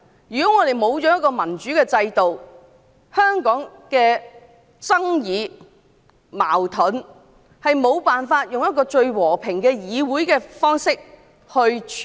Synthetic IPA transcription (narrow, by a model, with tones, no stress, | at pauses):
jyː˨˩kɔː˨˥ŋɔː˨˧ɾe˨jmo˨˧wt͡ʃɔː˨˥jɐ˥kːɔː˧mɐ˨˩nt͡ʃyː˨˥kɛː˧t͡sɐ˧jt̪o˨w | hœː˥ŋkɔː˨˥ŋkɛː˧ | t͡sɐ˥ŋjiː˨˧ | ma̰ː˨˩wt̪ʰʊ˨˥n | hɐ˨jmo˨˧wpaː˨nfaː˧t̚jʊ˨ŋjɐ˥t̚kːɔː˧t͡ʃɵ˧ɥwɔː˨˩pʰɪ˨˩ŋkɛː˧jiː˨˧wuː˨˥jkɛː˧fɔː˥ŋsɪ˥k̚ | hɵ˧ɥ